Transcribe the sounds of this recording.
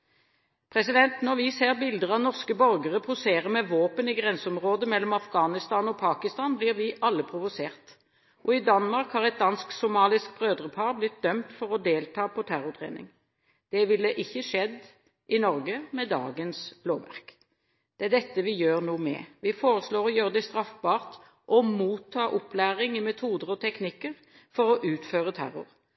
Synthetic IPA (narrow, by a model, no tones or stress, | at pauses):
pʰʁɛsɪd̪ɛnt̪nɔʁʋɪseːʁbɪld̪əʁɑʋnɔʁskəbœʁɡəʁəpʰʊseːʁəʁmɛʋoːpənɪɡʁɛnsəɔmʁoːd̪əmɛlːɔmɑfɡɑːnɪst̪ɑːnɔpʰɑːkɪst̪ɑːnbliːʁʋɪʔɑlːəpʰʁʊʋʊseːʁt̪ | ʔɔɪd̪ɑnmɑʁkhɑːʁɛt̪̚d̪ɑnsksʊmɑːlɪsk̚bʁøːd̪ʁəpʰɑːʁblɪt̪̚d̪œmt̪fɔʁɔd̪eːlt̪ʰɑːpʰɔt̪ʰæʁʊt̪ʰʁḛːnɪ̰ŋ | d̪̥ɛʋɪlːəʔɪçːəʂɛd̪ | ʔɪnɔʁɡəmɛd̪ɑ̰ːɡənsloːʋæ̰ʁk | d̪̥ɛæd̪ɛt̪ːəʋɪjøːʁnuːmɛ̰ʋɪfoːʁəsloːʁɔjøːʁəd̪ɛst̪ʁɑfbɑːʁt̪ | ʔɔmuːt̪ʰːɑːʔʊplæːʁɪŋɪmɛt̪ʰuːd̪əʁɔt̪ʰɛknɪkːəʁ | fɔʁɔʔʉːt̪føːʁət̪ʰæ̰ɾʊ̰ʁ